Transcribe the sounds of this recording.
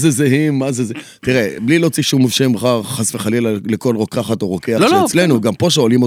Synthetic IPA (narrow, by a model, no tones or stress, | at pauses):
zezeɦimːazeze | t̪iʁeblilo̞t͡siʃumːofʃemχaʁχasveχalilleko̞lʁo̞kaχat̪oʁokealoet͡slenuɡampo̞ʃ̬eolimo